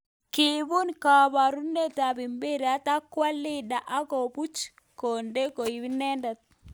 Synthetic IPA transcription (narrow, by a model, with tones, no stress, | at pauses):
ki˨βu˦nka˨βa˨ɾu˦ne˦ta˨bi˨mbe˦ɾi˨a˦ta˦kwa˦li˦ɗa˨ʔa˦ko˨bu˦t͡ʃ | ko˨nde˦ko˨i˨βi˦nɛ˦nda˨t̪̚